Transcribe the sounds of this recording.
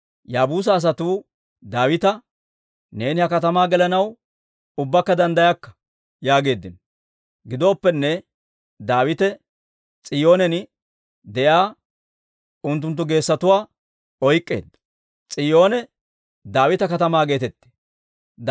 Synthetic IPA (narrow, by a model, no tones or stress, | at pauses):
jaːbuːs̬ɐːs̬ɐt̪uː | d̪aːwɪt̪ɐ | ne̞ːnɪhɐkɐt̪ɐmaːɡɛlɐnɐw | ʊbːɐkːɐd̪ɐnd̪ɐjɐkːɐ̥ | jaːɡe̞ːd̪ːɪnɔ | ɡɪd̪oːpːɛnːɛ | d̪aːwɪt̪ɛ | t͡sʼɪjo̞ːnɛnɪ | d̪ɛjaː | ʊnt̪̬ːʊnt̪̬ːʊɡe̞ːsːɐt̪ʊwaː | ɔjkʼːḛːd̪ːɐ̥ | t͡sʼɪjo̞ːnɛ | d̪aːwɪt̪ɐkɐt̪ɐmaːɡe̞ːt̪ɛt̪ːe̥